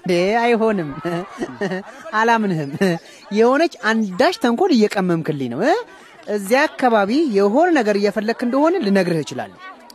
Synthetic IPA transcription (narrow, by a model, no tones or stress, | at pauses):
d̪eajɦo̞nɨm | alamnɨhɨm | jɛho̞nət͡ʃːand̪aʃt̪ʰəŋkʷʰonɪjːɛkʼəmːɨmkʰɨlːinə̰wə | ʔɨzːiakːaβaβijɛɦo̞nnəɡəɾɨjːɛfəlːəɡkɨnd̪əho̞nəlɨnəɡɾɨhjɪt͡ʃɪla̰lː